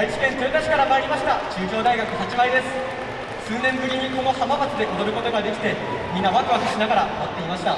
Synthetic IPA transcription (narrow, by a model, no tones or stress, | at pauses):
ait͡ɕi̥kẽ̞nt̪oit̪aɕi̥kaɾamaːɾʲimaɕi̥t̪at͡ɕɨːʑo̞ːd̪aiɡakɯ̟ɦat͡ɕiβaid̪e̞sɨ̥ | sɨːnẽ̞mbɯ̟ɾʲiɲ̟iko̞no̞hamabat͡sɨd̪e̞ʔod̪o̞ɾɯ̟ko̞t̪oɡad̪e̞kʲi̥t̪e̞ | mʲĩnaβakɯ̟akɯ̟ɕinaɡaɾamat̪ːe̞imaɕi̥t̪a